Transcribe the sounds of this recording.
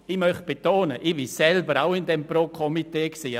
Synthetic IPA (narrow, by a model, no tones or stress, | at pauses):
ɪmœχt̚b̥etoːnəʔibisɛlbəɾa̰ʊɪndɛmproːkʰɔmiteːksiː